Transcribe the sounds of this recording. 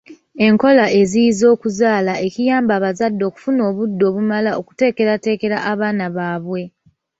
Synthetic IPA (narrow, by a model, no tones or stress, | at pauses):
e̞ŋko̞laʔe̞zijizo̞ːkuzaːlaʔe̞cijaːmbaːβazadːo̞ːku̥funo̞ːβudːo̞βumalao̞ku̥te̞ːke̞ɾate̞ːke̞ɾaʔaβaːnaβaːβwe̞